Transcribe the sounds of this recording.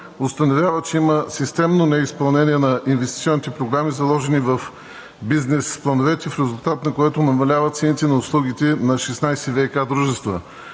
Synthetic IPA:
ost̪ɐnovʲjavət͡ʃɛiməsist̪ɛmnonɛispɐlˠnɛniɛnɐʔinvɛst̪i̥t̪siɔnit̪ɛpɾoɡɾamizɐlˠɔʒɛnivɐf | biznɛsplˠɐnovɛt̪ʲifɾɛzʊlˠt̪at̪nɐkoɛt̪onɐmɐlʲavət̪sɛnit̪ɛnɐʊslˠuɡit̪ɛnɐʃɛsnajsɛvɛkad̪ɾuʒɛst̪və̰

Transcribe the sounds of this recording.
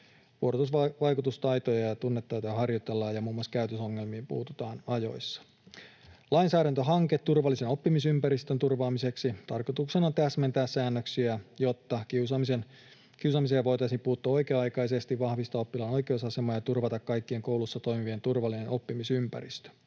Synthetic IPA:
ʋuoɾt̪usʋɑʋɑjkut̪ust̪ɑjt̪ojɑjɑt̪unːet̪ːɑjt̪ojɑɦɑrjot̪e̞lːɑːjɑmuːmuɑskæyt̪øso̞ŋːe̞lmiːmpṵːt̪ut̪ɑːnɑjo̞̰jsːɑ̥ | lɑinsæːɾænt̪øɦɑŋket̪t̪ːurʋɑlːiseno̞pːimisympæɾist̪ønt̪urʋɑːmise̞ksit̪ɑrkot̪uksenɑt̪æsment̪æːssæːnːøksiæjo̞t̪ːɑkiusɑmisen | kiusɑmis̬ejɑʋo̞jt̪ɑisiːmpuːt̪ːuɑo̞jkeːɑjkɑjse̞st̪iʋʋɑhʋist̪ɑːo̞pːilɑno̞jkeusɑsemɑːjɑt̪urʋɑt̪ɑkkɑjkːie̞ŋkouwlusːɑt̪o̞jmiʋie̞nt̪urʋɑlːineno̞pːimisympæ̰ɾḭst̪ø̥

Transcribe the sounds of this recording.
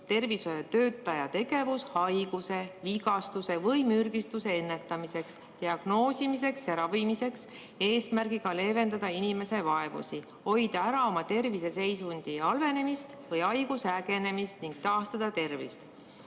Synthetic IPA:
t̪e̞rviso̞jɑt̪øːt̪ːˑɑjɑt̪e̞ɡ̥e̞vushɑjɡ̥use̞viɡɑst̪use̞vɤjmyrɡ̥ist̪use̞enːe̞t̪ːˑɑmise̞ks | t̪iɑɡ̥no̞ːsʲimis̬e̞ksjɑɾɑvimise̞ks | e̞ːsmærɡ̥iɡ̥ɑle̞ːve̞nd̪ɑd̪̥ɑinime̞se̞vɑe̞vṵsi | ho̞jd̪̥ɑæɾɑo̞mɑt̪e̞rvise̞se̞jsund̪̥iɑlve̞ne̞mist̪vɤjɑjɡ̥usæɡe̞ne̞mist̪niŋɡ̥̚t̪ɑːst̪ɑd̪̥ɑt̪e̞rvḭst̪

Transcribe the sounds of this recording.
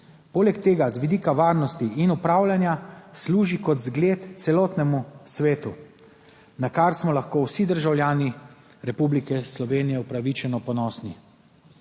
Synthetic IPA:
poːlɛkt̪eːɡazʋid̪iːkaʋaːɾnɔst̪iinupɾaːwlʲjanjasluːʒikɔt̪zɡleːt̪t̪sɛlɔːt̪nɛmusʋeːt̪u | nakaɾsmɔlaxkoːwsid̪əɾʒawlʲjaːni | ɾɛpublikɛslɔʋeːnijɛupɾaʋit͡ʃɛnɔpɔnɔːsni

